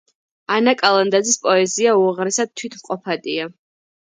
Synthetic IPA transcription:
anakʼalˠand̪ad̪zispʼɔɛziauʁɾɛsad̪̚t̪ʰwit̪ʰmqʼɔpʰad̪ʼia

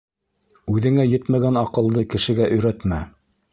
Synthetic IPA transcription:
ʉðɘ̆ŋæjɘt̪mæɡænɑqɤ̆lˠd̪ɤkɘ̆ʃɘ̆ɡæʔɵ̆jɾæt̪mæ

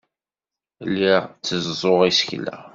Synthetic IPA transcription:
lːiʁt͡sːəzzˤoʁisə̥çlæ̰

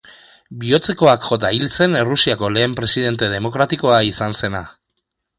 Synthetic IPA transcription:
bio̞t͡se̞ko̞akʝo̞t̪̬ailt͡se̞nerusiako̞le̞ːmpɾe̞siðe̞nt̪e̞ð̞e̞mo̞kɾat̪iko̞aisanse̞na̰

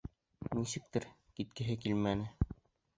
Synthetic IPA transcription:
nisɘ̆k̚t̪ɘɾ | kit̪̚kɘ̆ɦɘkilmænɘ

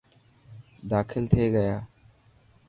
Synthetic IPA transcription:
d̪aːkʰɪlt̪ʰeːɡəjaː

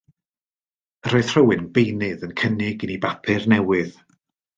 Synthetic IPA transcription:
əɾoɨð̥r̥əwɨnbejnɪðənkʰənɪɡɨnibapʰɨrnɛwɨð̥

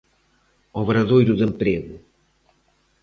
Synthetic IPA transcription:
ɔβɾɐðojɾuðẽmpɾeɣu

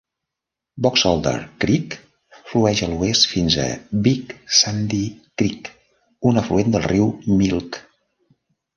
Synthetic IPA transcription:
bɔksɔlˠd̪ə̰ɾkɾik | fluɛʒəluest̪finzə̰biksand̪ikɾik | unəfluend̪əlˠriwmilˠk

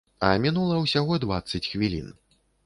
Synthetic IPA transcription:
ɐ̰mʲinulˠɐwsʲaɣɔd̪vat̪sɐt͡sʲxvʲilʲḭn

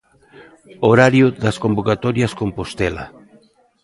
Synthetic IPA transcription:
oɾaɾjʊðaskombokat̪ɔɾjaskompost̪ɛla̰

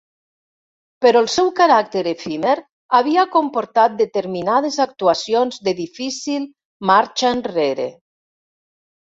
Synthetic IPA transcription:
peɾɔlˠsɛwkaɾak̚t̪eɾefimeɾ | aβ̞iakompoɾt̪at̪̚d̪et̪eɾminað̞ezak̚t̪uasionzd̪eðifisilˠ | maɾt͡ʃanreɾḛ

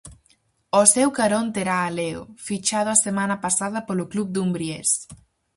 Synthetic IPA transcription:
osewkaɾont̪eɾaːleʊ̰fit͡ʃaðʊasemanɐpasaðɐpolʊklubd̪umbɾiḛs

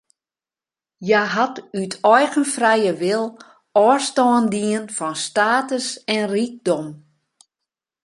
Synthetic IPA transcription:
jaɦatytʰɔjɣənfrɛjəʋɪlˠ | ɔstɔːəndiənfɔnstaːtəsɛnrik̚dɔm

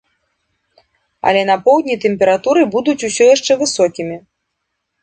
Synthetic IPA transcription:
ɐ̰lʲɛnɐpɔwd̪ʲnʲit̪ɛmʲpʲɛɾat̪uɾɨbud̪ut͡sʲusʲɔjaʂt͡ʂɛvɨsɔkʲimʲi

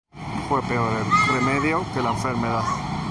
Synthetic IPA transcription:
fwe̞peoɾeremeðjokelaeɱfeɾmeðað

